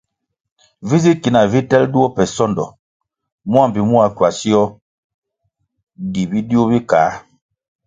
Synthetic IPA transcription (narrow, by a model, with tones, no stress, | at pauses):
vi˦zi˦ki˨na˨vi˦tɛ˦ldu˦ɔ˦pɛ˨sɔ˦ndɔ˨ | mu˦a˦˨m˨bi˨mu˦a˨˦kwa˨si˦ɔ˦ | di˨bi˦di˦u˦bi˦kaː˨˦